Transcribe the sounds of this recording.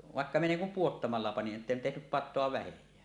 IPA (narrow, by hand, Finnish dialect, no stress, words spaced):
ʋɑˑekːɑ minæ niːŋ kum puotːɑmɑlːɑ pɑnin ʔĕtːen tehnyp pɑtˑoɑ ʋæhejˑæː